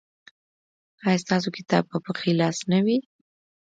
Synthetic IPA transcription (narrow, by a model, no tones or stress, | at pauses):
ɑjɑst̪ɑs̬okɪt̪ɑb̚pəpəxilɑsnawi